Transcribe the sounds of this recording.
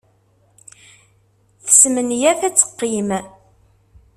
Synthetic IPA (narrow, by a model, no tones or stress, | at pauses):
θə̥smənjæθæt͡sːə̥qːim